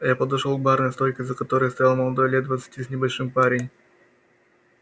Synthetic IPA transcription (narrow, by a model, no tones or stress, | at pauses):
japəd̪ɐʂolˠɡ̚barnəjst̪ojʲkʲɪzəkɐt̪o̞ɾəjəst̪ɐjalˠməlˠɐd̪o̞jlʲet̪d̪vət̪sɨ̥tʲisnʲɪbɐlʲʂɨmpaɾʲɪnʲ